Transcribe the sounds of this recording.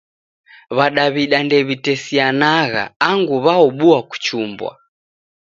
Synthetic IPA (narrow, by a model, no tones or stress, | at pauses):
βaɗaβiɗandɛβitɛsianaɣa̰ːŋɡuβaɔɓuaku̥t͡ʃumbwa̰